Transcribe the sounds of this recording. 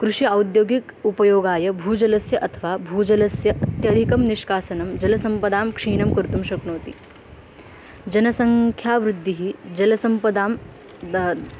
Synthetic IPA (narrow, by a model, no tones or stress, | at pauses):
kɾuʂiɐwd̪joːɡikupɐjoːɡaːjɐbʱuːd͡ʒɐlɐsjɐʔɐt̪ʰɐʋaːbʱuːd͡ʒɐlɐsjɐɐt̪jɐd̪ʱikɐmniʃkaːsɐnɐmd͡ʒɐlɐsɐmpɐd̪aːmkʂiːɳɐmkuɾt̪umʃɐkɳoːt̪ḭ | d͡ʒɐnɐsɐŋkʰjaːʋɾud̪ʱːiɦid͡ʒɐlɐsɐmpɐd̪aːm